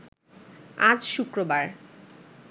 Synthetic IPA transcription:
ad͡ʑʃukɾobaɾ

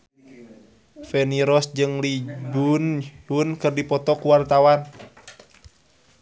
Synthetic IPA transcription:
fɛniɾɔsd͡ʒɨŋlibunhunkɨrdipɔt̪ɔkuwart̪awan

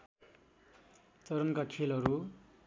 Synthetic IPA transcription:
t͡sʌɾʌnkakʰelɦʌɾu

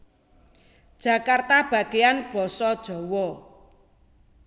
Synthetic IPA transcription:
d̥ʒ̥ä̤kart̪ab̥ä̤ɡeanb̥ɔ̤sɔd̥ʒ̥ɔ̤wɔ

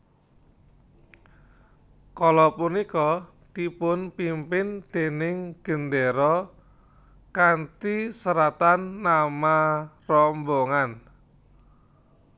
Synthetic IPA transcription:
kɔlɔpunikɔ | t̪ipʊnpimpɪnd̪̥e̤nɪŋɡ̥ə̤nd̪eɾɔ | kant̪isəɾat̪anːamarɔmboŋan

